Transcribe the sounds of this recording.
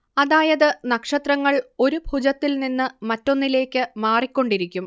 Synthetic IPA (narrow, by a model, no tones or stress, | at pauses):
ɐðaːjɐðɨnɐkʂɐt̪rɐŋːɐɭo̞ɾubʱud͡ʑɐt̪ːilninːɨmɐtːo̞nːile̞ːkʲːɨmaːrikʲːo̞ɳɖiɾikʲːum